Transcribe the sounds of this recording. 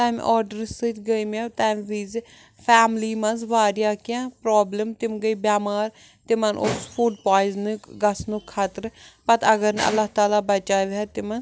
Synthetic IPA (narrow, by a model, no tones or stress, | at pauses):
t̪aːm̰ʔɔːɾɖəɾsət͡ʃɡəimãːt̪ɛːmʋiːz | pʰɛːmliːmɐnzʋaːɾjaːkɪjãːpɾɔːbləmt̪ɪmɡəiːbjaːmaːɾ | t̪emənʔosfʰuːɖpaːɪznuɡɐsnũːkʰːat̪əɾpɐt̪əɡəɾn̰ɐ̰lːaːɦt̪aːlaːbət͡ʃaːʋaːt̪ɪmən